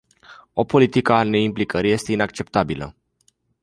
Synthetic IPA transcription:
o̞po̞lit̪ikane̞implikəɾije̞st̪e̞inakt͡ʃe̞pt̪abilə̰

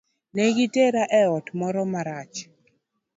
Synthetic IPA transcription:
nɛɡiteɾaʔɛɔtmɔɾɔmaɾat͡ʃ

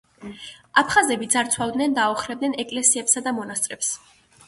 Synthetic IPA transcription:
apʰχazɛbid̪zaɾt̪sʰwavd̪nɛnd̪aɔχɾɛb̚dnɛnɛkʼlɛsiɛpsad̪amɔnast̪sʼɾɛps

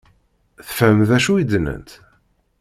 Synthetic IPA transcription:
θə̥fæmðæʃuid̪nə̰nt̪

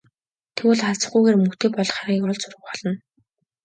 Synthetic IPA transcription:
t̪ʰewʊɮχaɮt͡sə̆χɡujɣeːrmɵxt̪ʰeːpɔɮɞ̆χarɣʲiːkɔɮt͡sʊrə̆χɔɮɞ̆n

